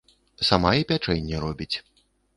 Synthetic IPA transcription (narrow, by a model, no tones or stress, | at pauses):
samajɛpʲat͡ʂɛnʲːɛɾɔbʲit͡sʲ